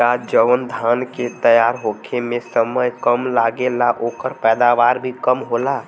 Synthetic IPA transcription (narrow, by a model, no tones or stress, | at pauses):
ad͡ʒəʋənd̪ʱanket̪əjaɾɦokʰemẽsəməjkəmlaɡelaʔokəɾpɛːd̪aʋaɾbʱikəmɦola